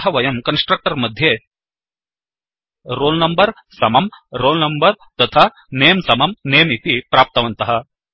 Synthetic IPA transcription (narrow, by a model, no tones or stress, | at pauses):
ɦɐʋɐjɐmkɐnsʈɾɐk̚ʈɐɾmɐd̪ʱje | ɾoːlnɐmbɐɾ | sɐmɐmɾoːlnɐmbɐɾt̪ɐt̪ʰaː | neːɐmsɐmɐmneːjmit̪ipɾaːp̚t̪ɐʋɐnt̪ɐɦɐ̆